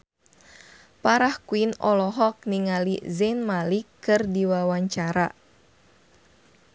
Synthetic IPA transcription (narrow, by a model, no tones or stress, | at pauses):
paɾahkuinɔlɔɦɔk̚niŋalizɛnmalikɨrdiwawaɲt͡ʃaɾa